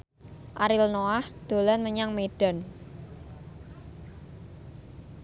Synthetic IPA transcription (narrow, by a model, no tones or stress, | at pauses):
ʔaɾɪlnoahd̪̥o̤lanməɲaŋmeɖ̥a̤n